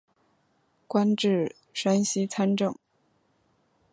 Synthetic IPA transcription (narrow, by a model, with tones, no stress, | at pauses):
kwa˥nʈ͡ʂɻ̩˥˩ | ʂa˥nɕi˥t͡sʰa˥nʈ͡ʂɤ˥˩ŋ